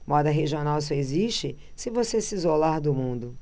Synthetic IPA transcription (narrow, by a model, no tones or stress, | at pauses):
mɔd̪ɐɦeʒionaws̬ɔeziʃt͡ʃɪ | sɪvosesizolaɾd̪ʊmũnd̪ʊ